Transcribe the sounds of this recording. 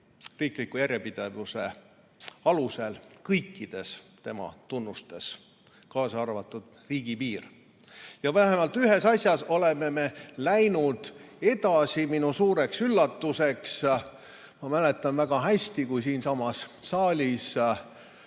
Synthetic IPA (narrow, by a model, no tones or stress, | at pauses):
riːklikujæɾjepid̪̥e̞vuse | ɑluse̞lkɤjkːid̪̥e̞st̪e̞mɑ̰t̪unːust̪e̞s | kɑːsɑɑrvɑt̪ːˑud̪̥̚riːɡ̥ipiːr | jɑvæɦemɑlt̪ːˑyɦe̞sɑsʲjɑso̞le̞me̞me̞læjnud̪̥e̞t̪ɑsʲiminusuːɾe̞ksylːɑt̪ːuse̞ks | mɑmæle̞t̪ːˑɑnvæɡ̥ɑɦæsʲt̪ikujsiːnsɑmɑsːɑːlʲis